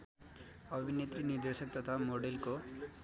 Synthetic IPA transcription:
ʌbʱinet̪ɾiniɾd̪esək̚t̪ʌt̪ʰamoɖelko

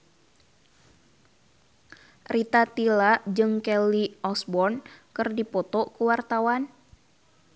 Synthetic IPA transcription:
rit̪at̪ilad͡ʒɨŋkɛliɔsbɔrnkɨrdipɔt̪ɔkuwart̪awan

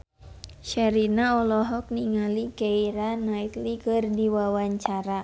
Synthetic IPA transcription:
ʃaɾinaɔlɔɦɔk̚niŋalikeiɾanait̪likɨrdiwawaɲt͡ʃaɾa

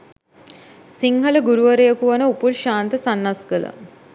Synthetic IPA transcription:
siŋhələɡuɾuʋəɾejəkuʋanəupulʃaːnt̪əsanːasɡələ̰

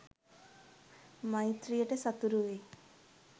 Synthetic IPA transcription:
mɐjt̪ɾijeʈesɐt̪uɾuʋe

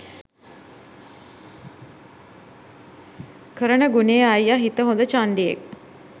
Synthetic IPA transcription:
kʰəɾəɳəɡuneːajaɦit̪əɦond̪ət͡ʃaɳɖijḛk̚

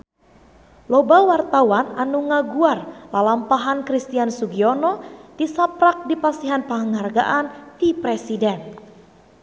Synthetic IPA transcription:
lɔbawart̪awananuŋaɡuarlalampaɦankɾist̪iansuɡiɔnɔd̥isapɾak̚dipasiɦanpəŋəŋɦarɡa̰ʔandipɾesidɛn

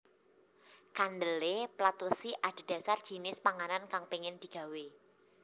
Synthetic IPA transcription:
kand̪əleplat̪usiʔad̪̥i̤d̥a̤sard̥ʒ̥i̤nɪspaŋanankaŋpeŋɪnd̪̥i̤ɡ̥a̤we

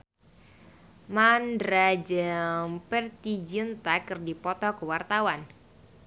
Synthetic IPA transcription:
mandɾad͡ʒəmpɛrt̪id͡ʒint̪akɨrdipɔt̪ɔkəwart̪awan

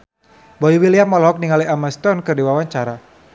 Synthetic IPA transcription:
bɔiwiliamɔlɔɦɔk̚niŋaliamast̪ɔnkɨrdiwawaɲt͡ʃaɾa

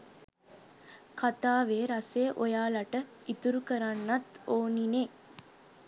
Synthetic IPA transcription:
kat̪aːʋeːɾaseʔojaːlaʈə | it̪uɾukəɾanːat̪oːnine

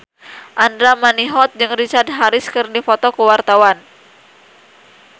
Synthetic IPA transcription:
ʔandɾamaniɦɔt̪̚d͡ʒɨŋrit͡ʃard̪̚ɦaɾɪskɨrdifɔt̪ɔkəwart̪awan

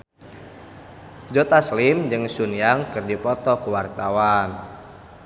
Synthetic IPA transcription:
d͡ʒɔt̪aslimd͡ʒɨŋsunjaŋkɨrdipɔt̪ɔkuwart̪awan

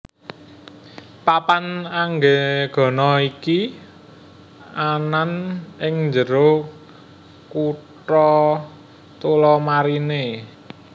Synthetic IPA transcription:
papanaŋɡeɡ̥ɔ̤nɔiki | ananɪŋɲd͡ʒəɾo | kuʈɔ | t̪ulɔmaɾine

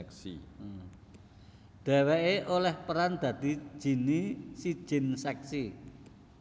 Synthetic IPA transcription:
ksḭ | d̪̥ɛ̤weʔeʔolɛhpəɾand̪̥ä̤d̪̥i̤̥ʒ̥i̤nisi̥ʒ̥ɪ̤nsɛksi

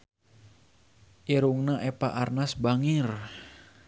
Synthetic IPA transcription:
ʔiɾuŋnaʔɛpa̰ʔarnasbaŋɪr

